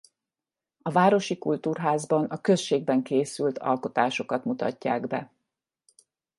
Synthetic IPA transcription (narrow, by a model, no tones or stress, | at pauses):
ɒvaːɾo̞ʃikult̪uːrɦaːzbɒnɒkø̞sʃeːɡ̚bɛŋkeːsylt̪ʰɒ̰lko̞t̪aːʃo̞kɒt̪mut̪ɒ̰cːaːɡbɛ̰